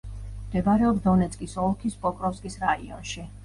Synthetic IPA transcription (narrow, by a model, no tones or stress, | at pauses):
md̪̥ɛbaɾɛɔbd̪ɔnɛt̪sʼkʼisɔlˠkʰispʼɔkʼɾɔfskʼisɾaḭɔ̰nʃi